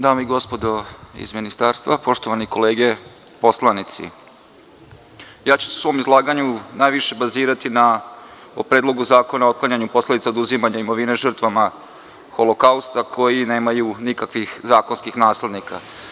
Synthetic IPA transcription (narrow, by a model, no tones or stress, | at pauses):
d̪aːmoiɡo̞spo̞d̪o̞ḭzminist̪aːɾst̪ʋapo̞ʃt̪o̞ʋaniko̞le̞ːɡe̞ | po̞slˠanit̪sḭ | jaːt͡ɕu̥seu̥sʋo̞ːmizlˠaːɡaɲunajʋiʃe̞baziːɾat̪ina | opɾeːd̪lˠo̞ɡuzaːko̞nao̞t̪̚klˠaɲaɲupo̞sled̪it̪saod̪uzimaɲaimo̞ʋineʒər̩t̪ʋama | xo̞lo̞kaust̪akʰo̞jine̞ːmajunikakʋixzaːkonskixnaːsle̞d̪nika̰